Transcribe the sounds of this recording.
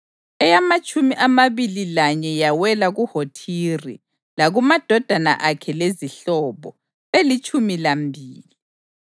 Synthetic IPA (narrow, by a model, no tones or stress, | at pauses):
ɛjamat͡ʃʼumiʔamaβililaɲɛjawɛlaɣuhotʰirḭ | laɣumad̥ʱɔd̥ʱana̰ʔakʰɛleziɬɔβɔ̰ | elit͡ʃʼumilambʱiːli